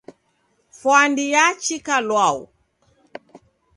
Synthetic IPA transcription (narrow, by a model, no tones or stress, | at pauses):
fwandijat͡ʃikalwaṵ